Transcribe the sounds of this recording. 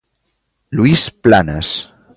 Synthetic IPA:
luisplanəs

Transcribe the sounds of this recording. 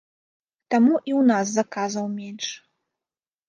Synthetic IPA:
tʰamuʔiwnas̬zakʰazɐwmenʈ͡ʂʰʼ

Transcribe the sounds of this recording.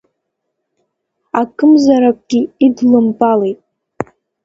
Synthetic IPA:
akʰɨmzaɾakʷʼɡ̥ʲiːdlɨmpʼalejtʼ

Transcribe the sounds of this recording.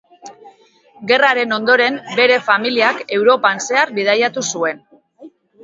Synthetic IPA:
ɡe̞raɾe̞no̞nd̪o̞ɾe̞mbe̞ɾe̞familiake̞wɾo̞panse̞aɾbið̞ajat̪usue̞n

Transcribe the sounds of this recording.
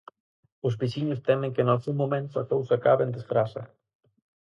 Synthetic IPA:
ʊzβisiɲʊst̪ɛmẽŋkenalsumomẽnt̪ʊakowsakaβend̪esfɾasɐ

